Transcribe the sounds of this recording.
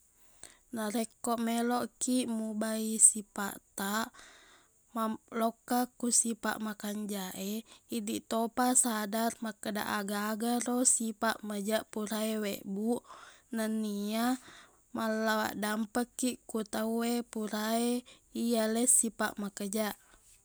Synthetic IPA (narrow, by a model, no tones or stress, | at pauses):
naɾekːoʔmeloʔkiʔmubaisipa̰ʔt̪aʔ | malokːakusipa̰ʔmakaɲd͡ʒaʔeidiʔt̪opasadarmakəda̰ʔaɡaːɡaɾosipaʔməd͡ʒaʔpuɾaewḛʔbuʔnənːia | malːawa̰ʔdampəkːiʔkut̪awepuɾaeijalesipa̰ʔmakəd͡ʒaʔ